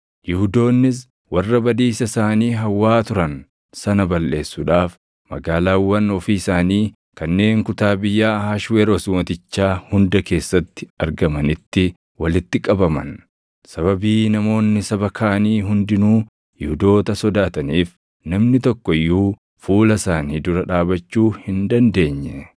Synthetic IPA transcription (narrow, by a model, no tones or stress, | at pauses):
jʊhʊd̪o̞ːnːɪs̬ | wɐrːɐbɐd̪iːsɐsaːniːɦɐwːaːt̪ʊɾɐn | sɐnɐbɐlːe̞ːsːuᶑaːf | mɐ̰ɡaːlaːwːɐnɔfiːɪsaːniː | kɐnːe̞ːŋkʊt̪aːbɪjːaːhaːʃweːɾɔsʊmɐt̪ɪt͡ʃːaːhʊnd̪ɐke̞ːsːɐt̪ːɪ̥ɐɾɡɐmɐnɪt̪ːɪ | wɐlɪt̪ːɪkʼɐbɐmɐn | sɐβɐbiːnɐmo̞ːnːɪsɐbɐkʰaːʔniːɦʊnd̪ɪnuː | jɪhʊd̪o̞ːt̪ɐsɔd̪aːt̪ɐniːf | nɐmnɪt̪ɔkːɔjːuː | fuːlɐsaːniːd̪ʊɾɐᶑaːbɐt͡ʃːuːhɪnd̪ɐnd̪e̞ːɲːɛ